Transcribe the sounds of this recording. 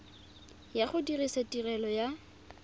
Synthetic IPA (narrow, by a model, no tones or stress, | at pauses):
jaχʊdirisatʼirɛlɔja